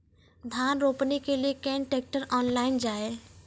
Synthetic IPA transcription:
d̪ʱaːnɾoːpnikeliekɛ̃ːɳʈek̚ʈəɾɔːnlaːɪnd͡ʒaːe

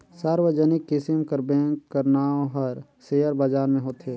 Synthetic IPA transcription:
saːɾwəd͡ʒənɪkːɪsɪmkəɾbɛ̃ːŋkːəɾnaːõɦɐɾ | seːjəɾbad͡ʒaːɾmẽɦoːt̪ɦeː

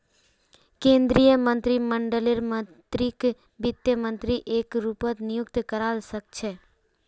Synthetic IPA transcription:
kẽnd̪ɾijəmə̃nt̪ɾiməɳɖəleɾmə | t̪ɾik | bɪt̪jəmə̃nt̪ɾiʔekɾupət̪nɪjʊkt̪kəɾalsək̚t͡ʃʰe

